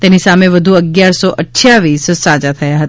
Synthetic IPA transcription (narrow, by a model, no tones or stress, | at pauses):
t̪enisamẽʋəd̪ʱuəɡjaɾsɔʔəʈʰːjaʋiːssad͡ʒat̪ʰəjaɦət̪a